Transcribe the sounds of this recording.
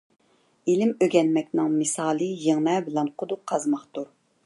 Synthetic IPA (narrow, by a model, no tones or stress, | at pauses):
ilɪmøɡʲɛnmɛkʲnɪŋmɨsɑːlˠɨjeŋnɛbɪlɛnqʰod̪uqʰːɑzmɑχt̪uɾ